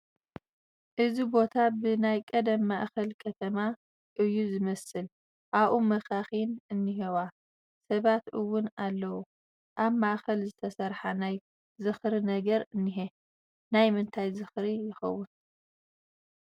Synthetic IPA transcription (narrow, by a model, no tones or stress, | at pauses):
ʔɨzibo̞t̪ʰabɨnajkʼɐd̪ɐmːaʔxɐlkʰɐt̪ʰɐma | ʔɨjːuzɨmɐsɨl | ʔaβʔumɐxaxinɨnːɨɦewa | sɐβat̪ɨwʊnalːɐwu | ʔaβmaʔxɐlzɨt̪ʰɐsɐɾħanaj | zɨxɾinɐɡɐɾɨnːiɦe | najmɨnt̪ʰajzɨxɾijɪxɐ̰wːʊn